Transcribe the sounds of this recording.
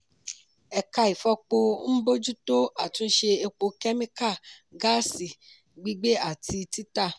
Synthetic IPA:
ɛ˧ka˧i˨fɔ˧k͡po˧˦n̩˦bo˦d͡ʒu˦to˦a˨tũ˦ʃe˧e˧k͡po˧kɛ˦mĩ˦ka˦˨ɡa˦si˨ | ɡ͡bi˦ɡ͡be˦a˨ti˧ti˦ta˦˨

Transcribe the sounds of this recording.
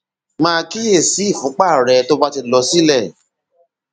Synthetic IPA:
mãː˦˧ki˦e˦˨si˨˦i˦˨fũ˨˦k͡pa˦˨ɾɛ˨˧to˦ba˦ti˧lɔ˧si˦lɛ˦˨

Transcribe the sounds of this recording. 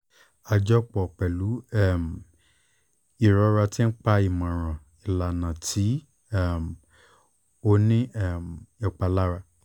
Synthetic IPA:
a˧d͡ʒɔ˦k͡pɔ˨k͡pɛ˨lu˨˦ɛ˦˨m˨ | i˨ɾɔ˧˦ɾa˧ti˦n̩˦k͡pa˧i˨mã˨ɾ̃ã˨ | i˨la˨nã˨tʰi˨˦ | ɛ˦˨m˨ | o˦˧nĩ˦ɛ˦˨m˨ɛ˨k͡pa˧la˦ɾa˧

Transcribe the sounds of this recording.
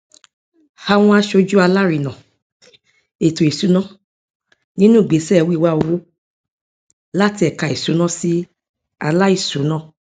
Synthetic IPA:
ha˧w̃ɔ̃˧a˧ʃo˧d͡ʒu˦a˧la˦ɾi˨nã˨ | e˨to˨e˨su˨˦nã˦ | nĩ˦nũ˦˨ɡ͡be˨˦sɛ˦˨˧wi˦˨wa˦o˧wo˦ | la˦ti˧ɛ˨ka˨e˨su˨˦nã˦si˦ | a˧la˦i˦˨su˨˦nã˦˨

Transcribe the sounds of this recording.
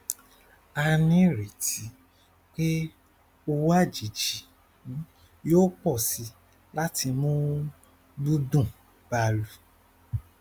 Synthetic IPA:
a˧nĩ˦ɾe˨ti˨˦ | k͡pe˦ | o˧wa˦˨d͡ʒi˨˦t͡ʃi˨˦ | jo˦k͡pɔ˦˨si˧ | la˦ti˧mũ˦ | bu˦dũ˦˨ | b̥a˧lu˨

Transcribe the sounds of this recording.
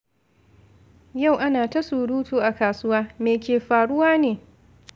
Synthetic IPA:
ja˦˨wʔa˦naː˨ta˦suː˨ɽuː˦tuː˦ʔa˨kaː˨sʊ˦waː˦meː˨kʲeː˨ɸaː˨ɽʊ˦waː˦neː˨

